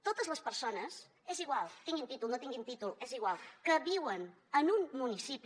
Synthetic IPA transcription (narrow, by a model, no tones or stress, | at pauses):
t̪ot̪əzləspəɾsonəs | eziɣ̞walˠt̪iŋɡint̪it̪ulˠnot̪iŋɡint̪it̪ulˠeziɣwalˠkəβiwən | ənumːunisipi